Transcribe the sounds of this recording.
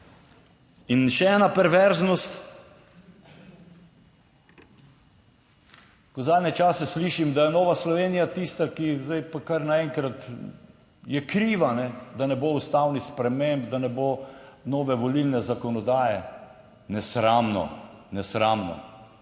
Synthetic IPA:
inʃɛɛːnapɛɾʋɛɾznɔst̪ | kɔzaːd̪nɛt͡ʃaːsɛsliːʃimd̪ajɛnɔːʋaslɔʋeːnijat̪ist̪akizd̪ajpakaɾnaɛŋkɾat̪ | jɛkɾiːʋanɛd̪anɛboust̪awnixspɾɛmembd̪anɛboːnɔːʋɛʋɔlilnɛzakɔnɔd̪aːjɛ | nɛsɾamnɔ̰nɛsɾaːmnɔ̰

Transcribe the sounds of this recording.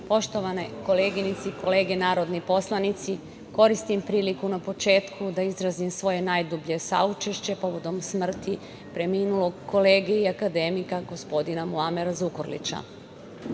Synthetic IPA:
po̞ʃt̪o̞ʋane̞ko̞le̞ːɡinit̪siiko̞le̞ːɡe̞naːɾo̞d̪nipo̞slˠanit̪si | ko̞ɾist̪impɾiːlikunapo̞t͡ʃe̞ːt̪kʰud̪aizɾazimsʋo̞je̞najd̪ubʎe̞sa̰ut͡ʃe̞ʃt͡ɕe̞po̞ʋo̞d̪o̞msmr̩t̪i | pɾe̞miːnulo̞ɡkːo̞leːɡeiakad̪e̞mikaɡo̞spo̞d̪inamuameɾazukoɾlḭt͡ɕa̰

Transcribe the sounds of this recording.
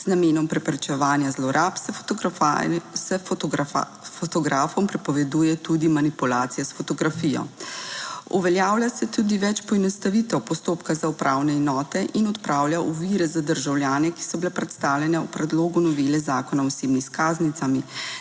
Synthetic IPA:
z̥nameːnɔmpɾɛpɾɛt͡ʃɛʋaːnjazlɔɾapsɛ | sɛ | fɔt̪ɔɡɾaːfɔmpɾɛpɔʋɛd̪uːjɛt̪ud̪imanipulaːt̪sijasfɔt̪ɔɡɾafijɔ̰ | uʋɛljaːwljasɛt̪ud̪iʋɛt͡ʃpɔɛnɔst̪aʋit̪ɛwpɔst̪oːpkazaupɾʔawnɛɛnɔːt̪ɛʔinɔt̪pɾaːwljaʔuʋiɾɛzad̪əɾʒawlʲjaːnɛki̥sɔbilɛpɾɛt̪st̪aːwljɛnɛupɾɛd̪loːɡunɔʋelɛzaːkɔnaɔseːbniskaːznit̪sami

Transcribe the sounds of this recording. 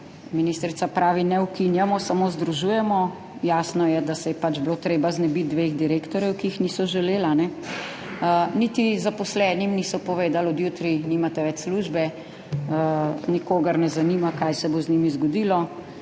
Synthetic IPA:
minist̪ɾit̪sapɾaːʋinɛwkinjamɔsamozd̪ɾuʒuːjɛmɔ | jasnɔjɛd̪asɛjɛpad͡ʒbloːt̪ɾeːbaznɛbit̪̚d̪ʋeːɣd̪iɾeːkt̪ɔɾjɛwkiixnisɔʒɛleːlanɛ | nit̪izapɔslɛnimnisɔpɔʋeːd̪alɔd̪jut̪ɾinimat̪ɛʋɛt͡ʃsluʒbɛ | nikoːɡɐɾnɛzanimakajsɛboznimizɡɔd̪ilɔ

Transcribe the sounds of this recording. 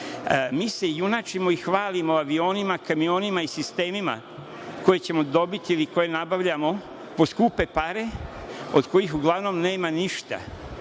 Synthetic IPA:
miːse̞junat͡ʃimo̞ixʋaːlimo̞aʋio̞ːnimakamio̞ːnimaisist̪e̞ːmima̰ | ko̞je̞t͡ɕe̞mo̞d̪o̞bit̪iiliko̞je̞nabaʋʎamo̞ | po̞skupe̞paɾe̞o̞d̪ko̞jixuɡlˠaʋno̞mne̞ːmaniʃt̪a̰

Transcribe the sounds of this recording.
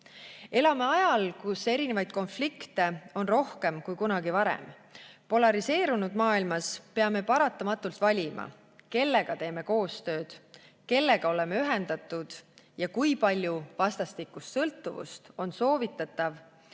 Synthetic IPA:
e̞lɑme̞ɑjɑlkuse̞ɾine̞vɑjd̪̥ko̞nflikt̪e̞o̞nro̞hke̞mkujkunɑɡivɑɾḛm | po̞lɑɾise̞ːɾunud̪̥mɑːilmɑspe̞ɑme̞pɑɾɑt̪ːˑɑmɑt̪ːˑult̪vɑlʲimʔɑ̰ | ke̞lːe̞ɡ̥ɑt̪e̞ːme̞ko̞ːst̪ø̞ːd̪̥ | ke̞lːe̞ɡ̥ɑo̞le̞me̞yɦe̞nd̪̥ɑt̪ːˑud̪̥ | jɑkujpɑlʲjuvɑst̪ɑst̪ikːˑust̪sɤlt̪ːˑuvṵst̪o̞nso̞ːvit̪ːˑɑt̪ːˑɑv

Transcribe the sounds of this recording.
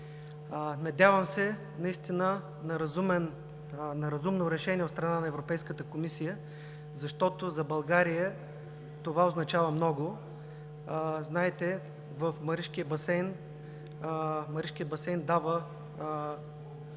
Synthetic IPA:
nɐd̪ʲjavəmsɛ | nɐist̪inə | nɐɾzumɛn | nɐɾɐzumnoɾɛʃɛniɛʊt̪st̪ɾɐnanɐɛvɾopɛjskət̪əkomisijə | zɐʃt̪ɔt̪ozɐbɐlˠɡaɾijə | t̪ovaoznɐt͡ʃavəmnɔɡo | znaɛt̪ɛ | vəfmɐɾiʃkijəbɐsɛjn | mɐɾiʃkijəbɐsɛjnd̪avə

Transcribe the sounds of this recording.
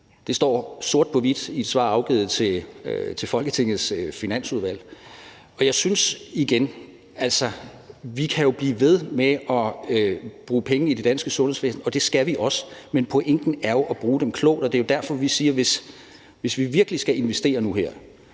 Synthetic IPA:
d̥e̝sd̥ɒ̰ːso̝ɐd̥̚pʰɒ̽ʋid̥id̥sʋɑ̰̈ːɑ̈ʊɡ̥ḭːð̩ˠt͡sʰe̝t͡sʰe̝lfɒ̽lɡ̥ət͡sʰe̝ŋ̰ð̩ˠsfinæn̰suð̞ˠʋæl̰ | ɒ̽jɑ̈ɪsynsiɡ̥en | æl̰sɒ | ʋikʰæjo̝b̥lḭːʋe̝ð̞ˠmeɒ̽øb̥ʁuːpʰeŋəid̥e̝d̥ænsɡ̥əsɔ̽nhe̝ʋḛːsn̩ɒ̽d̥e̝sɡ̥æʋiʔɒ̽səmenpʰɒ̽ʔeŋ̰ɡ̥n̩æɐjo̝ʔɒb̥ʁuːd̥emkʰlɔ̰ːd̥ɒ̽d̥e̝jo̝d̥æɐfɒ̽ʋisiːɐʋe̝s | ʋe̝sʋiʋiɐɡ̥əlisɡ̥æe̝nʋesd̥e̝̰ːɐnuɦeɐ̰

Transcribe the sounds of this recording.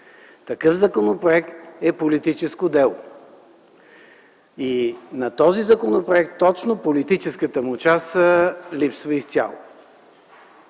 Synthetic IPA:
t̪ɐkɤfzɐkonopɾoɛkt̪ɛpolit̪it͡ʃɛskod̪ɛlˠo̰ | inɐt̪ɔzizɐkonopɾoɛkt̪ːɔt͡ʃnopolit̪it͡ʃɛskət̪əmʊt͡ʃasəlipsvəist̪ʲa̰lˠo̰

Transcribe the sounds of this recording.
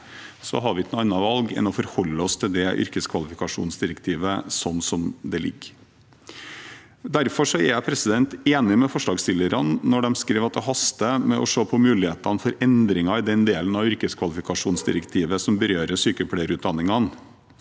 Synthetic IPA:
sɔ̰ɦɑɾʋɪɪk̪nuɑnːɑʋɑlɡɛ̰nɔfɔɾhɔlːəɔst̪ʰɪld̪ɛʔʏ̰ɾkəskʰʋɑlɪfɪkɑʂṵːnsd̪ɪɾəkt̪ʰiːʋəsɔnːsɔmd̪ɛlɪ̰ɡ | d̪æɾfɔʂɔɛɾjæɪpʰɾɛsɪd̪ɛnt̪eːnɪmɛfɔʂɭɑːɡst̪ɪlːəɾɑnːɔɖɛmskɾeːʋɑt̪̚d̪ɛɦɑst̪əmɛʔɔ̰ʂoːpʰɔmʉːlɪheːt̪ɑnfɔɾɛnd̪ɾɪŋɑɪd̪ɛnd̪eːlənɑʋʏɾkəskʰʋɑlɪfɪkɑʂuːnsd̪ɪ̰ɾəkt̪ʰiːʋəsɔmbəɾøːɾəsyːkəpʰɽæɪɾʉːt̪̚d̪ɑnːɪŋɑn

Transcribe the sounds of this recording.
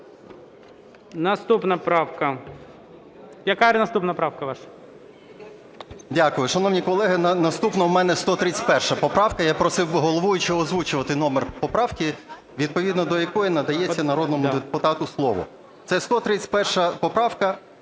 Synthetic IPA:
nɐst̪upnɐpɾɑwkɐ | jɐkaɾnɐst̪upnɐpɾɑwkɐʋɑʃɐ̥ | dʲakʊjʊʃɐnɔwnʲikɔlˠɛɦɪnnɐst̪upnɐwmɛnɛst̪ɔt̪ɾɪt͡sʲtʲpɛrʃɐpɔpɾɑwkɐjapɾɔsɪwɦɔlˠɔʋujʊt͡ʃɪɔzʋut͡ʃʊʋɐt̪ɪnɔmerpɔpɾɑwkʲi | ʋʲid̪̚pɔʋʲid̪nɔd̪ɔjɐkɔjinɐd̪ɐjet͡sʲːɐnɐɾɔd̪nɔmʊd̪ɪpʊt̪ɑt̪ʊslˠɔʋɔ̰ | t̪sɛst̪ɔt̪ɾɪt͡sʲpɛrʃɐpɔpɾɑwkɐ

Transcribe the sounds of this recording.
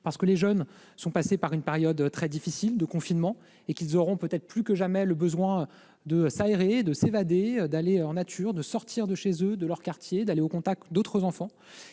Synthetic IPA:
paʁsəkəleʒœn | sɔ̃pasepaʁynpeʁjɔd̪t̪χɛd̪ifisild̪əkɔ̃finmɑ̃ | ekʲilzɔʁɔ̃pøt̪ɛt̪χplykəʒamɛləbəzwɛ̃ | d̪əsaeʁed̪əsevad̪ed̪aleɑ̃nat̪ʰyːʁd̪əsɔʁt̪iʁd̪əʃezød̪əlœʁkaʁt̪jed̪aleokɔ̃t̪ak̚t̪d̪ot̪χəzɑ̃fɑ̃

